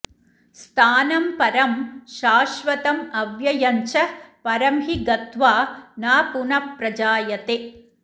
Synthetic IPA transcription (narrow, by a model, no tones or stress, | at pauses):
st̪ʰaːnɐmpɐɾɐmʃaːʃʋɐt̪ɐmɐʋjɐjɐnt͡ʃɐpɐɾɐmɦiɡɐt̪ʋaːnaːpuɳɐpɾɐd͡ʒaːjɐt̪e